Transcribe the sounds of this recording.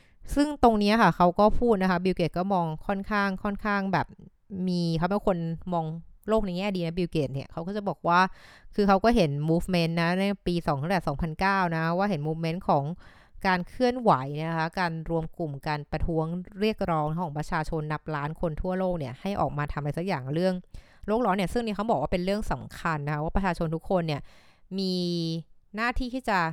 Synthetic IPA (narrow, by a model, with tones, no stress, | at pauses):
sɯ˥˩ŋt̪o˧ŋni˦˥ɐkʰa˥˩kʰa˦˥wkɔː˥˩pʰuː˥˩t̪̚na˦kʰa˦˥bi˧wke˨˩t̪̚kɔː˥˩mɔː˧ŋkʰɔ˥˩nkʰaː˥˩ŋkʰɔ˥˩nkʰaː˥˩ŋbɛː˨˩p̚ | miː˧kʰa˦˥˦mɛ˥˩˦kʰo˧nmɔː˧ŋloː˥˩k̚na˧jŋɛː˥˩diː˧na˦˥bi˧wkeː˨˩t̪̚ni˥˩ɐkʰa˦˥wkɔː˥˩t͡ɕa˨˩bɔː˨˩k̚waː˥˩kʰɯː˧kʰa˦˥wkɔː˥˩ɦe˩˦nmuː˦˥fme˦˥nːa˦˥na˧˥˩piː˧sɔː˩˦t̪ʰa˥˩ɛː˨˩sɔː˩˦ŋpʰa˧nkaː˥˩wna˦˥kʰa˦˥waː˥˩ɦe˩˦nmuː˦˥fme˦˥nkʰɔː˩˦ŋ | kaː˧nkʰɯ˥˩ənwa˩˦jna˦˥˧kʰa˦˥kaː˧nɾu˧əmku˨˩mkaː˧npɾa˧t̪ʰu˦˥əŋɾi˥˩ək̚ɾɔː˦˥ŋa˥kʰɔː˩˦pɾa˧t͡ɕʰaː˧t͡ɕʰo˧nːa˦˥p̚laː˦˥nkʰo˧nt̪ʰu˥˩ɐloː˥˩k̚ni˥˩ɐha˥˩jʔɔː˨˩k̚maː˧t̪ʰa˧mpa˧jsa˦˥k̚jaː˨˩ŋɾɯ˥˩əŋ | loː˥˩k̚lɔː˦˥nːi˥˩ɐsɯ˥˩ŋniː˦˥kʰa˦wbɔː˨˩k̚waː˥pe˧nɾɯ˥˩əŋsa˩˦mkʰa˧nːa˦˥a˦˥waː˥˩pɾa˧˩t͡ɕʰaː˧t͡ɕʰo˧nt̪ʰu˦˥kʰːo˧nːi˥˩ɐmiː˧ | naː˥˩t̪ʰiː˥˩t̪ʰiː˥˩t͡ɕa˨˩